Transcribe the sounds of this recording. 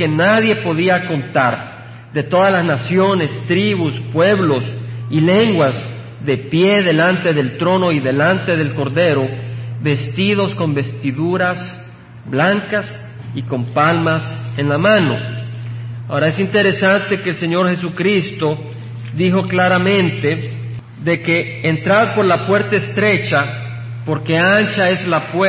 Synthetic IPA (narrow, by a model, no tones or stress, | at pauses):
kenaðje̞po̞ðiako̞nt̪aɾ | d̪e̞t̪o̞ðalaznasjo̞ne̞st̪ɾiβuspwe̞βlo̞sile̞ŋɡwaz | ðepje̞ðe̞lant̪e̞ðe̞lt̪ɾo̞no̞iðe̞lant̪e̞ð̞e̞lko̞ɾðe̞ɾo̞βe̞st̪iðo̞sko̞mbe̞st̪iðuɾas | blaŋkas | iko̞mpalmase̞nlamãno̞̰ | aoɾaesint̪e̞ɾe̞sant̪e̞keːlse̞ɲo̞ɾxe̞sukɾist̪o̞ | ðixo̞klaɾamẽnt̪e | ðe̞ke̞ː | nt̪ɾaðpo̞ɾlapwe̞ɾt̪aeːst̪ɾe̞t͡ʃa | po̞ɾke̞ant͡ʃae̞zlapwe